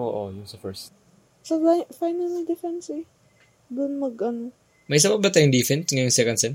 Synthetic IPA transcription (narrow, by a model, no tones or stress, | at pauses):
ʔoʔojʊŋsɐfɛɹs | sɐfajnɐld̪ɛfɛnsɛ | d̪ʊnmɐɡɐn | mɐjs̬ɐbɐk̚bɐt̪aːjʊŋd̪ifɛnsŋɐjoŋsɛkɐnd̪sɛn